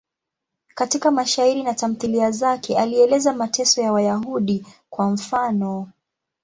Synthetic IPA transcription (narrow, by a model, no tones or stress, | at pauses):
katikamaʃaiɾinatam̩θiliazakʰɛʔaliɛlɛzamatʰɛsɔjawajaɦuɗikwam̩fanɔ